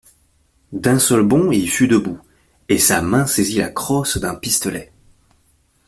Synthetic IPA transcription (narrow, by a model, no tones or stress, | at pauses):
d̪ɛ̃sœlbɔ̃ilfyd̪əbu | esamɛ̃sezila̰kχɔsd̪ɛ̃pist̪ɔlɛ